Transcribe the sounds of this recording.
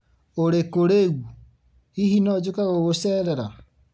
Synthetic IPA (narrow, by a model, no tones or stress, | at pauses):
oɾekoɾeɣu | ihinɔd͡ʒokaɣoɣosɛɾɛɾa